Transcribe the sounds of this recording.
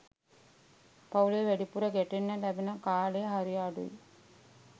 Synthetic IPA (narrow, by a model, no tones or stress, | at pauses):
pɐwuleːʋɛɖipuɾɐɡeʈenːəlɛbenəkaːɭeːɦɐɾijaːɖṵj